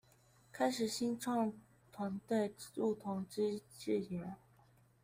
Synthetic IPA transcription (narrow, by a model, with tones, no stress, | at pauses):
kʰa˥ɪʂɻ̩˨˩ɕi˥nʈ͡ʂʰɑ˥˩ŋ | t̪ʰwa˧˥nt̪we˥˩ɪɻu˥˩t̪ʰʊ˧˥ŋʈ͡ʂɻ̩˥˩ɛ˧˥n